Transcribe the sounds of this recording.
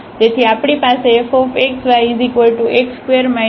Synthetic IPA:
d͡ʒet̪ʰiapɽ̃ipaseefɔːfeksʋaizikʋəlʈuʔekskeəɾmã

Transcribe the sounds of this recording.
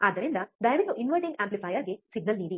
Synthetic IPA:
aːd̪ɐɾind̪ɐɖ̪ɐjɐʋit̪ːuʔinʋɐɾɖĩŋɡãːmplipɐːjaːɡisiɡnɐlniːdi

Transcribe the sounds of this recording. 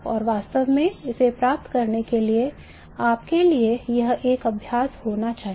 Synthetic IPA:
ɔ̰ːɾʋaːst̪əʋmẽɪsepɾaːp̚t̪kɐɾnekelie | aːpkeliejɐɦeːkɐbʱjaːshoːnat͡ʃaːɦi

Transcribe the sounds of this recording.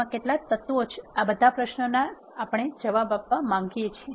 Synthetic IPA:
ãkeʈlat̪ət̪ʋot͡ʃʰabəd̪ʱapɾəʃnənaː | pəɽ̃ed͡ʒəʋabapːamãŋɡijet͡ʃʰie

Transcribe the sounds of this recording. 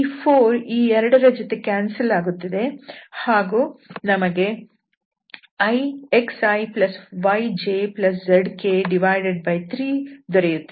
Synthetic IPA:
ipʰoːɾiːɛɾɐɽɐɾɐd͡ʒot̪e̞kaːnsɐlaːɡut̪ːɐd̪e̞haːɡuːnɐmɐɡe̞ | ɐjeksɐjplɐsʋɐjd͡ʒeːplɐs̬d͡ʒɐɖkeːɖiʋaːjɖeɖ̚bɐjt̪ʰɾiːd̪ɔɾejut̪ːe

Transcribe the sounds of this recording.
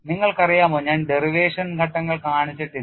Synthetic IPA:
niŋːɐɭkɐrijaːmoːɲaːnɖeriʋeːʂɐnɡʱɐʈːɐŋːɐɭkaːɳit͡ɕːiʈːi

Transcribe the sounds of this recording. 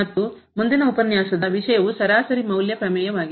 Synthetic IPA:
ɐt̪ːu | mund̪inɐupɐnjaːsɐd̪ɐʋiʂɐjɐʋusɐɾaːsɐɾimɐwljɐpɾɐmɛːjɐʋaːɡi

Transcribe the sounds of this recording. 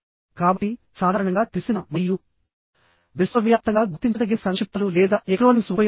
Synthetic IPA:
kaːbɐʈːi | saːd̪ʱaːɾɐɳɐŋɡaːt̪isinɐmɐjːu | ʋisʋɐʋjaːp̚t̪ɐŋɡaːɡut̪ːiɲt͡ʃɐd̪ɐɡːinɐsɐŋkʃip̚t̪ɐlulɛːd̪aːʔekɐɽoːnisɐj

